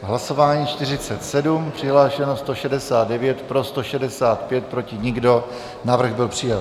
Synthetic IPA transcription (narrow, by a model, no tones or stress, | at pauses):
ɦlaso̞vaːɲiːt͡ʃt̪ɪrɪt͡sɛt̪sɛdumpr̝̥ɪɦlaːʃɛnost̪o̞ʃɛdɛsaːd̪̚dɛvjɛt̪pɾo̞st̪o̞ʃɛdɛsaːt̪pjɛt̪̚pɾo̞cɪɲɪɡdo̞ | navr̩ɣbɪlpr̥ɪjat̪